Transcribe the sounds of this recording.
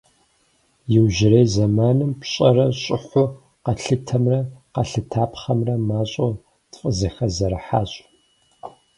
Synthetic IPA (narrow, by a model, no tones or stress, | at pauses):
jɪwʒɪɾejzɐmaːnɨmpɕʼɐrɐɕʼɪħʷʊ | qɐɬɨtʰɐmrɐqɐɬɨtʰaːpχɐmrɐmaːɕʼo | tfʼəzɐxɐzɐɾɐħaːɕʼ